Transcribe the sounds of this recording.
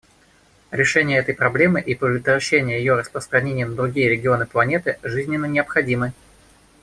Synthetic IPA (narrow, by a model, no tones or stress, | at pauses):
ɾʲɪʂɛnʲɪjəɛt̪əjpɾɐblʲe̞mɨʔipʲɪt̪əɾɐɕːenʲɪjəjɪjoɾəspɾəst̪ɾɐnʲenʲɪjənəd̪ɾʊɡʲijəɾʲɪɡʲɪo̞nɨplˠɐnʲe̞t̪ɨʐɨzʲnʲɪnːənʲɪəpxɐdʲimɨ